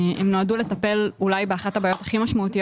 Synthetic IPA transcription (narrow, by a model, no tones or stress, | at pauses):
emno̞adule̞t̪ape̞lulajbeaχatabaːjo̞taχimaʃmaut̪ij